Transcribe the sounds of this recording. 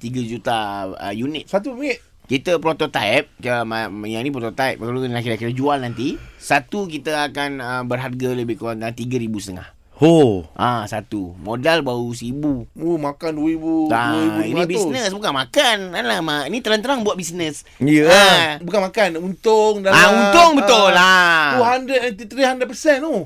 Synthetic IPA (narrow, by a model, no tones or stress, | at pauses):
t̪iɡəd͡ʒut̪aə̰junɪt̪̚sat̪upiɪt | kit̪əpɾot̪ɔt̪aɛp̚əmajainĩpɾot̪ɔt̪aɛp̚kalukakiakit̪əd͡ʒualnant̪isat̪ukit̪əakanəmbərɦarɡaləbɪhkuɾaŋaŋt̪iɡəɾibusət̪əŋa̰h | hoʔasat̪umodalbaus̬əibuomakanduwəɾibuaəiuinibisnəsbukanmakanalamainit̪əɾant̪əɾaŋbuat̪̚bisnəs | iəabukanmakanunt̪oŋdaaunt̪ʊŋbət̪ʊlauɦandət̪it̪ɾihandəpərsɛno